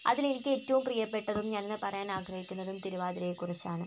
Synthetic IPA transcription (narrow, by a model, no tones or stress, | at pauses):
ɐ̰ðilenikʲːɨe̞tːɐʋumprijɐpːe̞ʈːɐðumɲɐnenːɨpɐrɐjaːnaːɡʱrɐhikʲːunːɐðumt̪iɾuʋaːðiɾejekːurit͡ɕːaːɳɨ